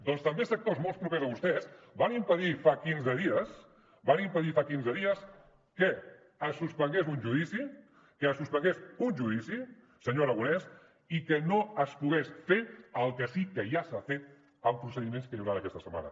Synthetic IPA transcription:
d̪ɔnst̪əmbesək̚t̪ozmolˠspɾupezəβust̪ɛzbanimpəðifakinzəðiəs | banimpəðifakinzəðiəs | kəː | suspəŋɡezunʒuðisi | kəːsuspəŋɡesunʲʒuðisi | səɲoɾəɣunɛs | ikənoəspuɣesfeəlˠkəsikəʒasafet̪̚ | əmpɾusəðimẽnskəluwɾanəkɛst̪əsəma̰nə̰

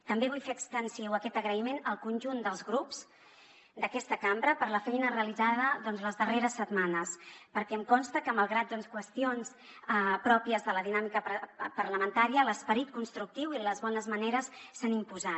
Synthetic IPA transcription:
t̪əmbeβ̞ujfeəkst̪ənsiwəkɛt̪əɣɾəimenəlˠkunʲʒund̪əlˠzɣɾups | d̪əkɛst̪əkambɾəpəɾləfɛjnəreəlizaðəðɔnzləzðəreɾəsːət̪manəspəɾkɛəmkɔnst̪əkəməlˠɣɾat̪̚d̪ɔnskwəst̪ions | əpɾɔpiəzðələðinamikəpəɾləmənt̪aɾiələspəɾit̪̚kunst̪ɾuk̚t̪iwiləzβɔnəzməneɾəsːanimpuza

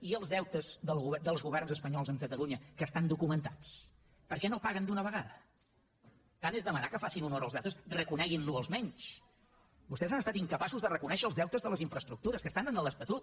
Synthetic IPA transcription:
iəlˠzðɛwt̪əzðəlˠɣuβd̪əlˠzɣuβ̞ɛrnzəspəɲɔlˠzəŋkət̪əlˠuɲəkəst̪and̪ukumənt̪at͡s | pəɾkɛnopaɣənd̪unəβ̞əɣ̞aðə | k̪anezðəmənakəfasinunɔɾəlˠzɛwt̪əsrəkunɛɣinluəlˠzmɛɲt͡ʃ | bust̪ɛzanəst̪at̪iŋkəpasuzðərəkunɛʃəːlˠzðɛwt̪əzðələziɱfɾəst̪ɾuk̚t̪uɾəskəst̪anənələst̪ət̪ut̪̚

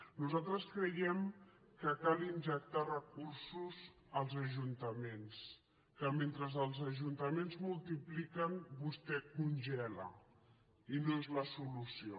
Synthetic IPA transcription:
nuzalˠt̪ɾəskɾəjɛm | kəkalinʲʒək̚t̪arəkursuz | əlˠzəʒunt̪əmens | kəment̪ɾəzəlˠzəʒunt̪əmenzmulˠt̪iplikənbust̪ɛkunʲʒɛlə̰ | inoezləsulusio

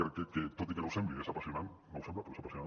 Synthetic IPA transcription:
ɾekeket̪ot̪ikenowsembliðesapasjonannowsemblapoɾesapasjona

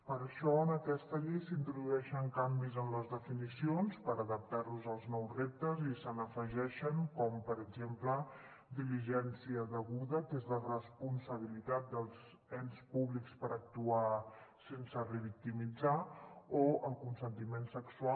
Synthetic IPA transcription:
pəɾəʃɔənəkɛst̪əʎejsint̪ɾuðuɛʃəŋkambizənləzðəfinisionspəɾəðəp̚t̪aɾluzəlˠznɔwzrep̚t̪əzisənəfəʒɛʃəŋkɔmpəɾəɡzemplə | d̪iliʒɛnsiəðəɣuðək̪ezlərəspunsəβ̞ilit̪at̪̚d̪əlˠz | ɛnspuβlikspəɾək̚t̪uasensərəβik̚t̪imid͡zaoəlˠkunsənt̪imensəksua

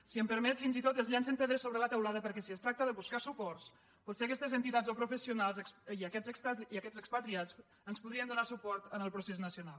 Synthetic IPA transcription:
siəmpəɾmɛt̪finzit̪ot̪əzʎans̬əmpeðɾəsoβɾələt̪əwlaðəpəɾkɛsiəst̪ɾak̚t̪əðəβuskasupɔrs | pɔt̪seəkɛst̪əzənt̪it̪azopɾufəsiunalˠzəksiəkɛzəkspat̪iəkɛzəkspət̪ɾiat͡s | ənspuðɾiənd̪unasupɔɾt̪ənəlˠpɾuseznəsiunalˠ

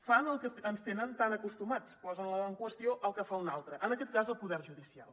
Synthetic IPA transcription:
fanəlˠkəənst̪enənt̪anəkust̪umat͡spɔzənləɔəŋkwəst̪ioʔəlˠkəfaunalˠt̪ɾəʔənəkɛt̪̚kazəlˠpuðɛɾʒuðisia̰lˠ

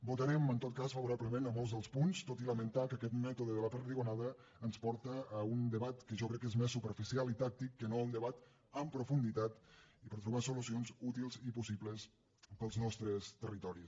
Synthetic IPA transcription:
but̪əɾɛmənt̪ot̪̚kasfəβuɾapləmenəmolˠzðəlˠspunst̪ot̪iləmənt̪akəkɛt̪mɛt̪uðəðələpəɾt̪iɣunaðɾəː | nspɔɾt̪əːund̪əβat̪kəʒɔkɾɛkːezmesːupəɾfisialˠit̪ak̚t̪ikːənound̪əβat̪ | əmpɾufund̪it̪at̪ipəɾt̪ɾuβasulusionzut̪ilˠzipusiβləs | pəlˠznɔst̪ɾəst̪ərit̪ɔɾis

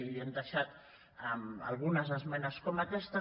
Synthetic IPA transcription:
iliend̪əʃat̪ | ama̰lˠɣ̞unəzəzmɛnəskomakɛst̪ə

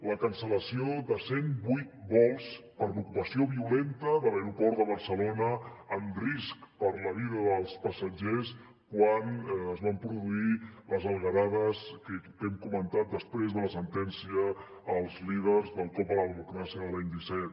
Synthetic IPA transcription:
ləkənsələsioðəsenbujt̪̚bɔlˠs | pəɾlukupəsioβiulent̪əðələeɾupɔɾd̪əβəɾsəlonəːmriskpəɾləβiðəðəlˠspəsəd͡ʒes | kwanəzβampɾuðuiləzəlˠɣəɾaðəskə | ɛmkumənt̪at̪̚d̪əspɾezðələsənt̪ɛnsiəː | lˠzlið̞ərzðəlˠk̪ɔpələðəmukɾasiəðəlaɲd̪isɛt̪

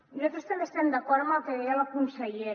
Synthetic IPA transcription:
nuzat̪ɾest̪ɐmbest̪ɛmd̪akɔɾmalˠkeɣealakunseje

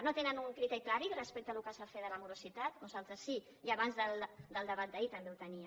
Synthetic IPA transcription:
not̪enənuŋkɾit̪ɛɾiklaɾirəspek̚t̪əlukasafeðələmuɾusit̪at̪nuzalˠt̪ɾəsːi | iaβanzðəld̪əlˠd̪əβat̪̚d̪əit̪əmbeut̪əniə

